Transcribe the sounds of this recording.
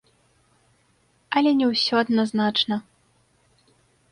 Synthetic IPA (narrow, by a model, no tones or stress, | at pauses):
ɐlʲɛnʲɛwsʲɔɐd̪naznat͡ʂnɐ